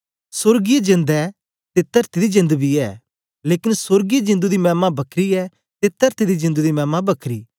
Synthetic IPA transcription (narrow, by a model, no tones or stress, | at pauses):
sʊɾɡijed͡ʒɪ̃nd̪ɛ | t̪ɪt̪ːəɾt̪id̪id͡ʒɪ̃nd̪bʱiɛ̰ː | leːkɪnsʊɾɡied͡ʒɪ̃nd̪ud̪imɛːmãbɐkʰɾiɛ | t̪ɪt̪ːəɾt̪id̪id͡ʒɪ̃nd̪ud̪imɛːmabɐkʰɾḭː